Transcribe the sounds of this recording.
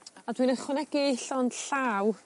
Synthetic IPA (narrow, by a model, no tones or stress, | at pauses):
adwinəχwɪnɛɡ̥ɪɪɬɔnɬaːw